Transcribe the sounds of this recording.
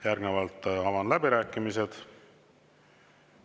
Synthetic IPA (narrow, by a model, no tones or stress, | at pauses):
jærɡnevɑlt̪ːˑɑvɑnlæbiɾæːkːˑimise̞d̪̥